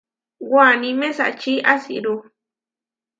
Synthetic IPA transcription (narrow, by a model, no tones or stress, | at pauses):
ɡwanĩmẽsa̰t͡ʃiʔasḭɾu